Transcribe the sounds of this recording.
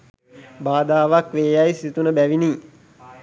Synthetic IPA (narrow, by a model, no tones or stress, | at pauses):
baːd̪aːʋakʋeːjajsit̪unəbæʋiniː